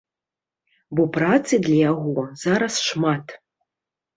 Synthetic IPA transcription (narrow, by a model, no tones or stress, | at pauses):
bɔprat̪t͡s̪ɨd̪lʲajaɣɔz̥aɾɐsʂmat̪